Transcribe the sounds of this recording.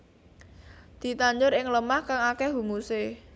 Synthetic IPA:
d̪̥i̤t̪aɲd͡ʒʊɾɪŋləmahkaŋakɛɦumuse

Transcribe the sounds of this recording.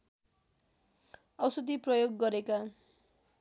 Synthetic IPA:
ʌwsʌd̪iprʌjoɡːʌɾeka

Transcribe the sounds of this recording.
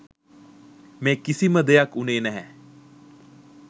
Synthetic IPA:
meːkisiməd̪ejakuneːnɛɦɛ

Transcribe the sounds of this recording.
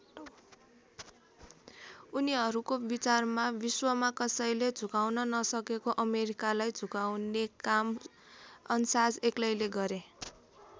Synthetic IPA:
uniɦʌɾukobit͡sarmabiswʌmakʌsʌjled͡zʱukawnʌnʌsʌkekoʔʌmeɾikalajd͡zʱukawnekam | ʌnsad͡zeklʌjleɡʌɾe

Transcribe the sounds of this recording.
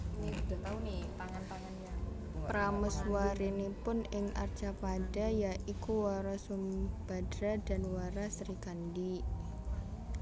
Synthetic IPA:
niudat̪aunit̪aŋant̪aŋanɲa | pɾaməswaɾinipʊnɪŋʔa̰rt͡ʃapadajaʔikuwaɾasumb̥adɾada̤nwaɾasɾikandi

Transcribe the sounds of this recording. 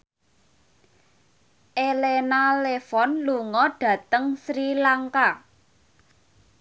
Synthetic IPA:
ʔelenalefɔnluŋɔɖ̥ä̤t̪əŋsɾilaŋka

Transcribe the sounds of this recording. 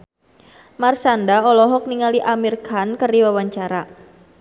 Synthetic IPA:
marsandaɔlɔɦɔk̚niŋaliʔamirkankəriwawaɲt͡ʃaɾa

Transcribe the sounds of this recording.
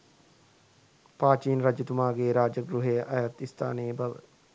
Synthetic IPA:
paːt͡ʃiːnɾad͡ʒɐt̪umaːɡeːɾaːd͡ʒəɡɾuɦejəʔajat̪ist̪ʰa̰ːnebɐʋə̰

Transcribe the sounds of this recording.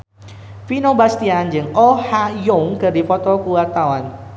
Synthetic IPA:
finobast̪iand͡ʒɨŋɔhajoŋkədifɔt̪ɔkuwat̪awan

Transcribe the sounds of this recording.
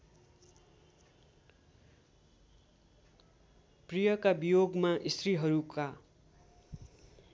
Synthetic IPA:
prijʌkabijoɡmaʔist̪riɦʌɾuka

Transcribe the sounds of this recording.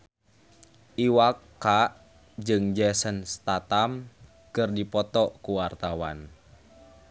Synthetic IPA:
ʔiwakː | a | d͡ʒɨŋd͡ʒɛsənst̪at̪am | kɨrdipɔt̪ɔkuwart̪awa̰n

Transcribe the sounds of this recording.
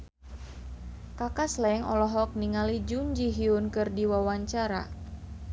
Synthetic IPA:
kakaslɛɛŋɔ̰lɔɦɔk̚niŋalid͡ʒuɲd͡ʒiɦiunkɨrdiwawaɲt͡ʃaɾa̰

